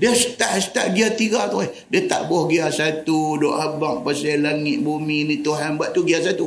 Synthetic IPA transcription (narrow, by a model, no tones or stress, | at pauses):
diasə̥t̪aʔsə̥t̪a̰ʔɡiat̪iɡat̪uɛh | diat̪a̰ʔbɔhɡiasat̪udɔ̰ʔabaŋ̚pasalaŋɪʔ̪buminit̪uɦanbaʔt̪uɡiasat̪u